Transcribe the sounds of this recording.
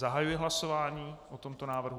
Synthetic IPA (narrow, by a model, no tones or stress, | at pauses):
aɦajujɛɦlaso̞vaːɲiːʔot̪o̞mt̪o̞naːvr̩ɦu